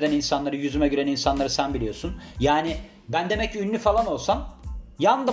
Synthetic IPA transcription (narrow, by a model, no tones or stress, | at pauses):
d̪æninsanlˠaɾɯjyzymɛɟyɾæninsanlˠaɾɯsænbilʲijo̞sunjaːnɪ | bænd̪e̞mɛcynːʲyfalˠano̞lˠsanjanɯd̪